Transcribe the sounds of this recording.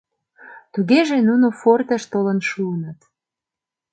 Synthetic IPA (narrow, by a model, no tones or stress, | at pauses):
t̪uɣeʒenunofort̪əʃt̪olənʃuənət̪